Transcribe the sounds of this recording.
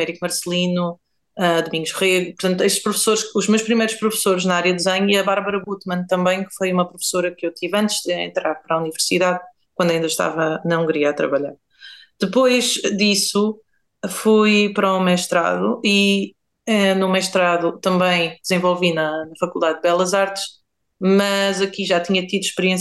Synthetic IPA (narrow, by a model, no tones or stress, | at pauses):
ɛɾikmɐɾslˠinu | ɐd̪umĩŋɡuʒʁeɣpuɾt̪ɐ̃nt̪ueʃt̪ʃpɾufsoɾʃuʒmewʃpɾimɐjɾuʃpɾufsoɾʒnɐaɾjɐd̪izɐɲiɐβaɾβɐɾɐβut̪mɐ̃nt̪ɐ̃mbɐ̃j̃kfojumɐpɾufsoɾɐkewt̪ivɐ̃nt̪ʒ̥d̪ɨḛ̃nt̪ɾaɾpɐɾaunivɨɾsiðað | kwɐ̃nd̪ɐĩnd̪ɐʃt̪a̰vɐnɐũŋɡɾiɐat̪ɾɐ̰βɐʎa̰ɾ | d̪̥ɨpojʒd̪isu | fujpɐɾɔmɛʃt̪ɾa̰ðuʔi | ɛnumɛʃt̪ɾaðut̪ɐ̃mbɐ̃j̃d̪zẽvɔlˠvinɐnɐfɐkulˠd̪aðd̪βɛlˠɐzaɾt̪ʃ | mɐzɐkiʒat̪iɲɐt̪iðuʃpɾiẽs